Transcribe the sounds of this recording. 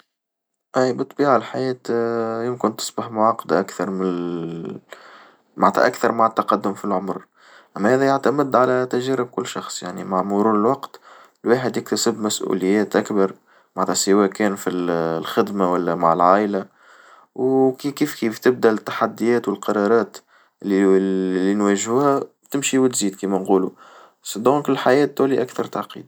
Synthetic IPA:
ʔæjbɨt̪ˤːbiːʕalħajɛːt̪jɪmkɪnt̪ɪ̥sbaħmʊʕɑqːɑd̪ʔakθɑɾˤmɪn | ma̰ʕt̪æ̰ʔækθɑɾˤmaʕət̪ːɑqɑd̪ːʊmfilʕʊmɾ | ʔæmːæhæːðæjʊʕt̪æmɪd̪ʕalæt̪æʒæːɾɪb̚kʊlːʃɑxsˤja̰ʕnḭmaʕmuɾuːnɪlwɑqt̪ | lweːħəd̪jɪkt̪asəbmæsʔṵlɪjːɛːt̪ʔækbɑɾˤ | maʕt̪ɑsəwɛːkɛːnfillxɪd̪mawælːæmaʕɪlʕaːʔla | wkikiːfkiːft̪ɪb̚d̪æɪt̪ːḁħad̪ːɪjɛːt̪wəlqɑɾˤɑɾˤɑːt̪ | lːilːinwæʒhuːhæ | t̪ɪmʃiwɪt̪ziːd̪kiːmænquːlu | sd̪ɔ̃ːŋkɪlħajɛːt̪̚ːuːliʔækθɑɾˤt̪aʕqḭːd̪̚

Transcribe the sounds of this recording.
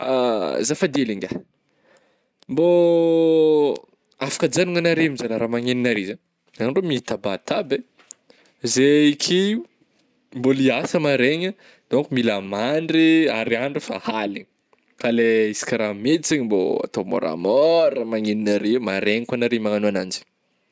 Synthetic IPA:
azafad̪eliŋɡʲa | mbo | afḁkad͡zanuŋanaɾemizalaɾamaŋeninaɾezaɲ | anɖ͡ʐomit̪abat̪abe | zeikʰi | mboliasəmaɾeɲə | d̪̥oŋkumilamaɳɖ͡ʐiaɾiaɳɖ͡ʐufa̰haliɲ | kaleisi̥kʲiɾamet͡siɲimbo̰a̰t̪ombo̰ɾa̰mɔamaŋeninaɾemaɾeɲikwanaɾemaŋanuanand͡ʒi̥

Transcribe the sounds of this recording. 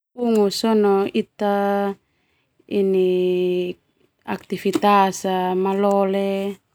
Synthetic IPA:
uŋusɔnɔit̪a | ini | ak̚t̪ifit̪asamalɔle

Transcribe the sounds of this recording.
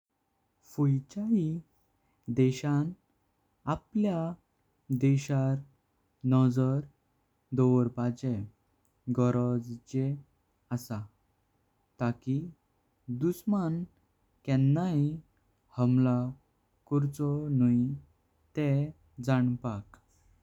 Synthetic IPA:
fujt͡ɕai | d̪ɛɕan | aplja | d̪ɛɕaɾ | nɔd͡zɔɾ | d̪ɔʋɾpad͡ʑe | ɡɔɾɔd͡zd͡ʑe | əsa | t̪aki | d̪usman | kɛnːaɦi | həmla | kɔɾt͡sɔnəi | t̪ɛ | d͡zaɳpak

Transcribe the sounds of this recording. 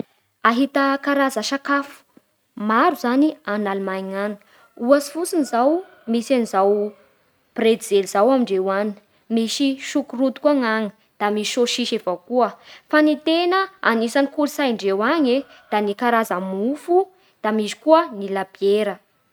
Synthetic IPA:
aɦit̪əkaɾazəʃakafu̥ | maɾuzanianalmajŋan | uasi̥fut͡sinizaw | misanizaw | pred̪d͡zeliz̥awamiɳɖ͡ʐewani | misiʃukurut̪u̥kuaŋaŋi | d̪̥amisiʃoʃiʃevawkuəfanit̪enəa̰nisaŋikulsajɳɖ͡ʐewaɲe | d̪̥anikaɾazəmufu | d̪̥amizi̥kuənilab̥eɾə

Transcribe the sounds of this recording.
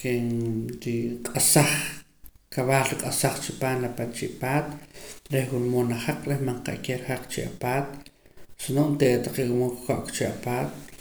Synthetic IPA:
kenɾiqʼasaχ | kaβaːlɾiqʼasaχt͡ʃipaːnlapat͡ʃiʔpaːt̪ɾehxunmonaχaq͡χɾehmaɴqa̰ʔkeɾihaq͡χt͡ʃḭʔa̰paːt̪̚sinoʔnt̪eʔt̪aqewumoŋkkoʔkt͡ʃiʔapaːt̪

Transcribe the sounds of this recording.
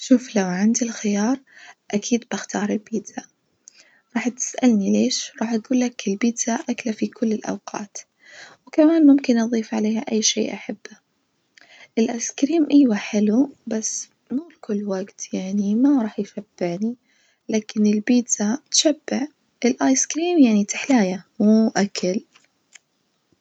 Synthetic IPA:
ʃuːflawʕand̪ilxɪjɑːɾˤʔakʰiːd̪bɪxt̪ɑːɾˤɪlbiːd̪a | ɾˤɑːħt̪ɪ̥sʔalnileːʃɾˤɑːħʔɡuːlːakɪlbiːd̪zaʔaklafikʰʊlːɪlʔɑ̰wqʰɑ̰ːt̪ | wkamaːnmʊmkɪnʔɑðˤiːfʕaleːhaʔajːʃḛːʔaħab̥ːa | ʔɪlʔaːjskɾiːmʔɪːwaħɪlubasː | muːlkʊlːwaɡt̪jaʕnimaɾˤɑːħjʃab̥ːɪʕni | laːkɪnɪlbiːzat̪ʃabːɪʕ | ʔɪlʔaːjskɾiːmjaʕnit̪ɪ̥ħlaːjamuːʔakʰal

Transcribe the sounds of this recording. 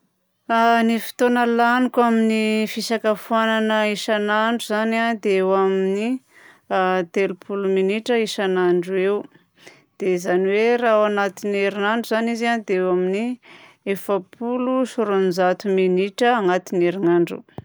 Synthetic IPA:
anifi̥t̪onəlanikaminifisakəfuananəiʃanaɳɖ͡ʐuzanand̪eewamini | t̪elupʰuluminiʈ͡ʂəiʃanaɳɖ͡ʐuew | d̪̥eizaniwerawanat̪ineɾinaɳɖ͡ʐuzanizand̪eewamini | efəpʰulusuɾonzat̪uminiʈ͡ʂəaŋat̪ineɾinaɳɖ͡ʐṵ

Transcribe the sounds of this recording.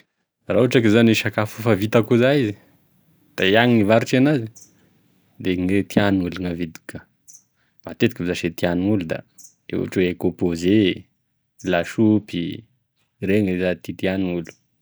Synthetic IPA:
rauaʈ͡ʂakizaniʃakafufavit̪akuzaizi | d̪̥ajaŋnivaɾuʈ͡ʂanazi | d̪eŋet̪ianŋuluŋavid̪i̥kə | mat̪et̪i̥kivzaʃet̪ianiŋulud̪a̰ | ḛwa̰ʈ͡ʂeekopoze | laʃupi | reŋezat̪it̪ianiŋulu̥

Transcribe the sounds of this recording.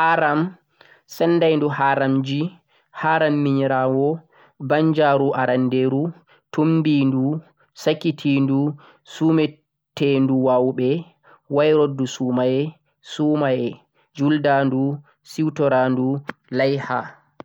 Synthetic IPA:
ʔaɾam | sɛnːdajnduhaɾamd͡ʒi | haɾamːiɲɾawɔ | baɲd͡ʒaɾuʔaɾandeɾu | tʰumbindu | sakitʰindu | suːmɛ | tenduwawɓɛ | wajɾodːusuːmajɛ | suːmajɛ | d͡ʒuldandu | siwtɔɾandulajha

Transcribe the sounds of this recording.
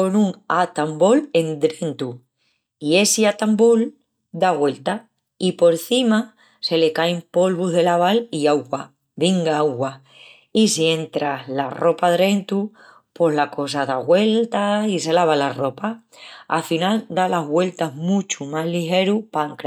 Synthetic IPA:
onũŋat̪ambo̞le̞nd̪ɾe̞nt̪u | ie̞siat̪ambol | d̪aɣwe̞lt̪a | ipo̞ɾθima | se̞lekaempo̞lβuɦðe̞laβaliawɣwa | βiŋɡaawɣwa | isie̞nt̪ɾalaro̞paðɾe̞nt̪u | po̞ɦlako̞saðaɣwe̞lt̪aise̞laβ̞alaro̞pa | a̰finald̪alaɦɣwe̞lt̪aɦmut͡ʃumaɦlixe̞ɾupaŋkɾa

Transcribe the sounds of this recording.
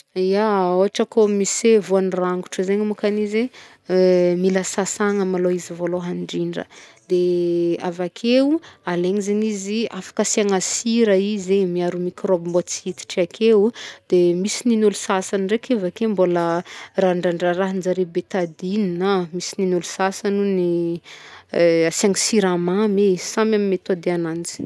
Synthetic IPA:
iaoɦaʈ͡ʂəkomisevoanraŋɡu̥ʈ͡ʂəzeɲimukanize | milasasaŋəmaloizivoloɦaɳɖ͡ʐiɳɖ͡ʐə̰d̪eavakʰeualeŋizeniziafḁkəsaŋasiɾəizemiaɾumikrobmot͡sit̪i̥ʈ͡ʂiakʰewd̪̥emisininulusasanrekevakemboləraɳɖ͡ʐaɳɖ͡ʐaɾaɦind͡ʒaɾebet̪ad̪ininamisininulu̥sasanuni | asaŋisiɾamamesamamimet̪od̪eanand͡zi̥

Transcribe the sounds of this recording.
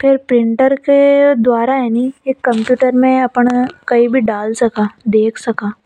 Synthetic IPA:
pʰɪɾpɾɪ̃ɳʈəɾked̪waːɾaɦɛnieːkːɐ̃mpjuːʈəɾmẽɐpɳkɐibʱiɖaːlsɐkaːd̪eːkʰsɐkaː

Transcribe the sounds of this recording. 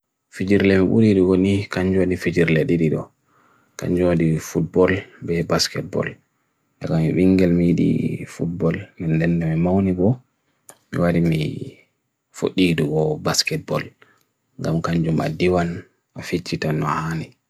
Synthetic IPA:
fid͡ʒiɾlɛmiɓṵɾiɗuɡonikaɲd͡ʒonifid͡ʒiɾlɛɗiɗiɗɔ̰ | ka̰ɲd͡ʒodifut̚bɔlbɛbaskɛt̚bɔ̰l | ʔakamiɓiŋɡɛlmijiɗḭfut̚bɔlmindɛndɛmimawnibɔ | mḭwaɾimḭ | fo̰ɗiɗuɡɔbaskɛt̚bɔl | ŋɡamkaɲd͡ʒuma̰diwan | afit͡ʃːitanːɔhaːnɛ

